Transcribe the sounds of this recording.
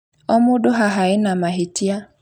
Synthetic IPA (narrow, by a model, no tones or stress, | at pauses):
ɔmʊdʊɦaɦaɪnamaɦetia